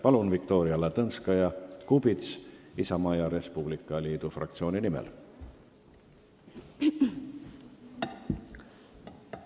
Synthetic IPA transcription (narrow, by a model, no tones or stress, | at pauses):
pɑlunvik̚t̪o̞ːɾiɑlet̪ɤnskɑjɑkubit̪sisɑmɑjɑɾe̞spublikːˑɑliːd̪̥ufrɑ̰kt̪sio̞ːninimɛ̰l